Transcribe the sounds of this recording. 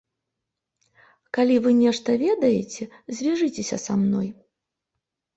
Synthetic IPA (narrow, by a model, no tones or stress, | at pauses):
kalʲivɨnʲɛʂt̪ɐvʲɛd̪ɐjet͡sʲɛ | zʲvʲiʐɨt͡sʲesʲɐ̰samnɔj